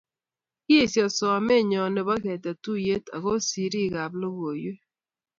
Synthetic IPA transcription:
ki˦e˦˨sjɔ˨sɔ˨a˨mɛ˦˨ɲɔ˨ne˨ba˦kɛ˨ta˨tu˦je˦ta˨ko˦si˨ɾi˦˨ɡa˨blo˦ɡo˨jwe˦

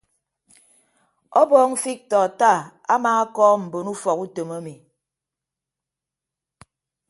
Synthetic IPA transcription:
ɔ˦bɔː˦ŋ̩˦fi˦k̚tɔː˨ta˦˨ | a˦ma˨ŋa˦kɔː˦m̩˨bo˨nu˦fɔ˨ku˦to˨ma˦mi˨

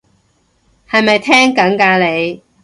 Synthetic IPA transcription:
hɐ˨jmɐ˨jt̪ʰɛː˥ŋkɐ˨˥ŋkaː˧le˨˧j

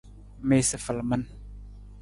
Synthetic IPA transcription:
me˨sə˨fə˨lmə˦n

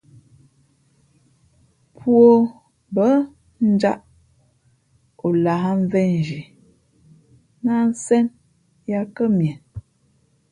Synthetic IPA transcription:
pʰwo˦˨ | bə˨˦ | n̩˦d͡ʒa˦ʔ | o˨la˨ha˦ɱ˦vɛ˦n˨d͡ʒi˨ | na˦n̩˦sɛ˦n | ja˦kə˦mjɛ˨n

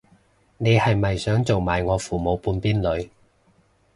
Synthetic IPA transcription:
ne˨˧jhɐ˨jmɐ˨jsœː˨˥ŋt͡so˨wmaː˨jŋɔː˨˧fuː˨˩mo˨˧wpuː˨˧npiː˥nlɵ˨˧ɥ

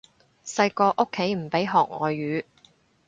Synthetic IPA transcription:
sɐ˧jkɔː˧ʔo˥kʰːe˨˥jm̩˨˩pe˨˥jɦɔː˨˩k̚ŋɔ̰ː˨jːyː˨˥

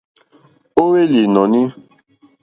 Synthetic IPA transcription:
o˦we˦li˨nɔ˨nĩ˦

